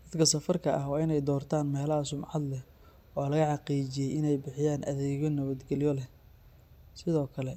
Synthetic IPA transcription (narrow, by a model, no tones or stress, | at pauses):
d̪ɐd̪kʰɐsɐfɐrkʰɐʔɐɦwɑːɪnɛjd̪ɔːrt̪ʰaːnmɛːlɐɦɐsʊmʕɑd̪lɛ | ɔːlɐɣɐħɑqiːt͡ʃɪjɛjɪnɛjbɪħɪjaːnʔɐ̰ðɛːɣɔnɐβɐd̪ɡɛlɪjɔlɛh | sɪðɔːkʰɐlɛ